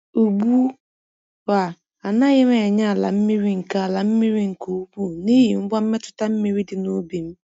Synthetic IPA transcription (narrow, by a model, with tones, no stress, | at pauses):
u˨ɡ͡bu˦ | wa˨ | a˨na˦ɣɪ˦me˨ɲa˦a˨la̰˨m̩˦mi˦ɾi˦ŋ̩˨ka˦a˨la˨m̩˦mi˦ɾi˦ŋ̩˨ko˨˦bu˦˨ne˦ji˨m̩˦bɔ˦m̩˦me˦tʊ̥˨ta˦m̩˦mi˨ɾi˦dɪ˨no˦bi˨m̩˦